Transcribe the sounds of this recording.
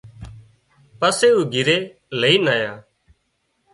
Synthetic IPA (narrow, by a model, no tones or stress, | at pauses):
pəseːuːɡʱɪɾeː | ləiːnaːjaː